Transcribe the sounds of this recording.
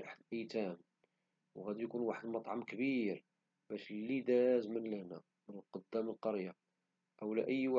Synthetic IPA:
ʔaħəd̪ʔəjt̪æm | wɣæd̪ijkunwaħəd̪mɑt̪ˤʕɑmkəbiɾ | bæʃlːid̪æzmənlænæ̰ | mənəlqod̪ːæməlqɑɾja | ʔəwlæʔəjːwa

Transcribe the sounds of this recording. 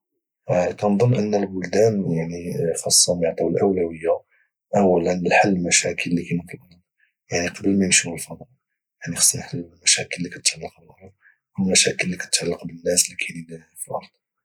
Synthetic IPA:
kænd̪ˤonːʔənːəlbʊld̪ænjaʕnixɑsˤːɑmaʕd̪ˤɑwlʔəwlæwəjːa | ʔəwːælənlħalːmæʃækʰəlːikæjnəq̪ləbn | jaʕniqɑbəlmæjənʃuwəlfɑnɾ | jaʕnixsˤnħalːmæʃækəlːikæt̪ʕalːɑq̚bəlhʊm | ʔəwlmæʃækəlːikæt̪ət̪ʕalːɑqbənːæslikʰæjni | filʔɑ̰ɾˤd̪̥ˤ

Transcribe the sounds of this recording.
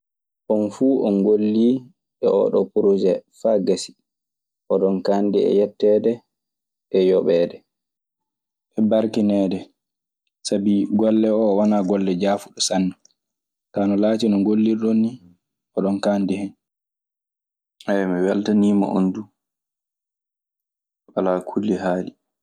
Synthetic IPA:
ʔɔnfuːʔɔnɡolːi | ɓɛʔɔ̰ɗɔpuɾod͡ʒɛfaɡasi̥ | ʔɔɗɔnkaːndiɛ̰jɛtːɛdɛ | ʔɛjɔɓɛːdɛ | ʔɛbaɾkinɛːdɛ | sabiɡɔlːɛɔwanaɡɔlːɛd͡ʒaːfuɗɔsanːɔ | kanɔlaːtinɔŋɡolːiɾɗonːi | ʔɔɗɔnkaːndihɛn | ʔɛmiwɛltaniːma̰ʔo̰ndu | ɓalakʰulːiɦaːli

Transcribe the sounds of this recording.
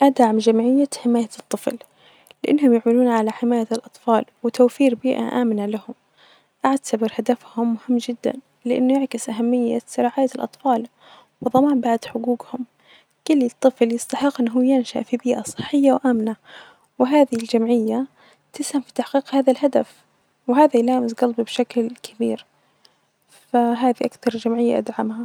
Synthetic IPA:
ʔad̪ʕmd͡ʒamʕɪjːaħɪmaːjat̪ˤːɨfl | lɪʔɪnːhʊmjaʕmɪluːnʕalaħɪmaːjalʔɑt̪ˤfɑːlwɪt̪awfiːɾbiːʔa̰ʔaːmnalahʊm | ʔaʕt̪abɪɾhad̪afhʊmːʊhɪmːd͡ʒɪd̪ːa̰n | lɪʔɪ̰nːʊjɪʕkɪsʔaɦamːɪjːasʊɾˤɑːʕaːjːalʔɑ̰t̪ˤfɑːl | wɨðˤɑmaːmbaʕd̪ħʊɡuːɡhʊm | kʊlːɨt̪ˤːɨfljɨsˤt̪ɑħɪqːʔɪnːɦuːjɪnʃa̰ʔfibiːʔasˤɨ̥ħːɪjːawʔaːmna | wɪɦaːðɪld͡ʒamʕɪjːa | t̪ɪshamfi̥t̪aħqiːqhaːðalɦad̪af | wɪɦaːðajlaːmɪsɡɑlbibʃaklkʰabḭːɾ | faɦaːðiʔakθɑɾˤd͡ʒamʕɪjːa̰ʔad̪ʕamha

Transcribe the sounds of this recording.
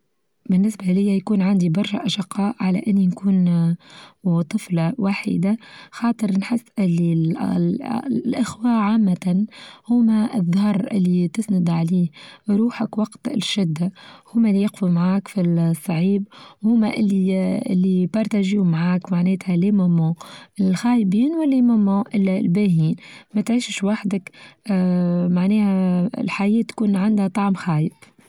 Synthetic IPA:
bɪnːɪsbalɪjːajkuːnʕand̪ibɑɾˤʃaʔɑʃɪqːɑːʔʕala̰ʔɪnːinkuːn | t̪ˤɨflɑwaːħḭd̪axɑːt̪ˤɨɾnħɪsːʔɪlːi | ʔɪxwaːʕaːmːahʊmaʔðˤːhɑɾˤʔɪ̰lːit̪ɪsnʊd̪ʕaliːɾuːħakwɑqt̪ʃɪd̪ːahʊːmælːijɪqfumʕaːkfisˤːʕiːbwhʊmæʔɪlːiɪ̰lːibɑɾˤt̪æʒiːmʕaːkmaʕnɛːt̪hælemomoʔɪlxaːjbiːnwɪlːimomːõːʔɪlːælbæhiːnmæt̪ʕiːʃʃwaħd̪ɪkː | maʕnɛːhæɪ̰lħajɛːt̪ːkuːnʕand̪hæt̪ˤɑʕmxaːjɪb̥

